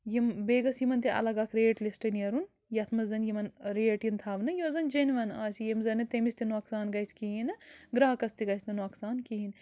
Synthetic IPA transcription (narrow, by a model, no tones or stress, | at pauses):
jimbeːɡɐsjimɐnt̪iɐ̰lɐɡɐkʰɾeːʈlisʈɐnjɐɾun | jɐt̪ʰmɐzɐnjimɐnɾeːʈjint̪ʰaːʋnɐjoːzɐnd͡ʒɐniʋɐnaːsijemzɐnɐt̪emist̪inuɐksaːnɡɐjskiɦinɐɡɾaːkɐst̪iɡɐjsʲt̪inuɐksaːnkiɦin